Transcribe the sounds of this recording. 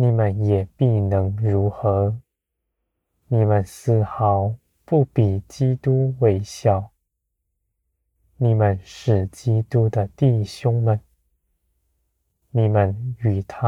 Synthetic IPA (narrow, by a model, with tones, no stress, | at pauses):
ni˨˩mə˧˦njɛ˨˩pi˥˩nɤ˧˥ŋɻu˧˥xɤ˧˥ | ni˨˩mə˨nsɹ̩˥˩xɑ˧˥ʊ | pu˥˩pi˨˩t͡ɕi˥t̪u˥we˧˥ɪɕjɑ˨˩˦ʊ | ni˨˩mə˦nʂɻ̩˨˩t͡ɕi˥t̪u˥d̪ə˧t̪i˥˩ɕjʊ˥ŋmə˨n | ni˨˩mə˧ny˨˩t̪ʰa˦